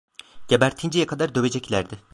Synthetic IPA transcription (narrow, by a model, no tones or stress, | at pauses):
ɟ̥ebæɾt̪ʰind͡ʒijɛkʰad̪aɾd̪ø̞βe̞d͡ʒɛclʲæɾd̪ɪ